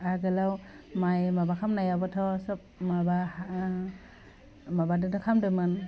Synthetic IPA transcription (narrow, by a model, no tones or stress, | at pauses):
aɡɯlaw | majmabakʰamnajabɔtʰɔsɯp̚maba | mabadɯtʰɔkʰamdɯmɯn